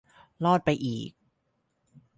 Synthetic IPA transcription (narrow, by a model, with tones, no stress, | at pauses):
lɔː˥˩t̪̚pa˧jʔiː˨˩k̚